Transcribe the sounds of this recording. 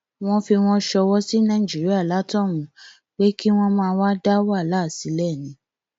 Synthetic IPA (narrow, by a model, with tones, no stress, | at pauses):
w̃ɔ̃˦fi˧w̃ɔ̃˦ʃɔ˧wɔ˦si˦nã˦ĩ˨d͡ʒi˦ɾi˦a˦˨la˨˦tɔ̃˦˨wũ˨˦ | k͡pe˦ki˦w̃ɔ̃˦mãː˧wa˦da˦wa˦˨la˦˨si˨˦lɛ˦˨nĩ˨˦